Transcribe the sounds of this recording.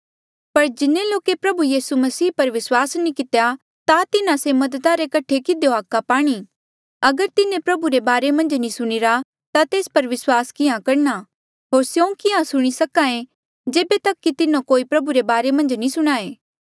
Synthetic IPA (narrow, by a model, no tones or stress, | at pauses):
pɐɾd͡ʒɪnːẽloːkepɾɐbujiːsumɐsiːpɐɾʋɪswaːsnikɪt̪eja | t̪at̪ɪnãsemɐd̪ət̪aɾekɐʈʰekɪd̪ejoaːkːapaːɽ̃i | ɐɡəɾt̪ɪnẽpɾɐbuɾebaːɾemɐ̃nd͡ʒnĩsʊɽ̃ɪɾa | t̪at̪eːspɐɾʋɪswaːskɪãkɐɾna | ɦoːɾsjõũkɪãsʊɽ̃isɐkãẽ | d͡ʒeːbet̪ɐkːit̪ɪnõkoːipɾɐbuɾebaːɾemɐ̃nd͡ʒnĩsʊɽ̃aːeː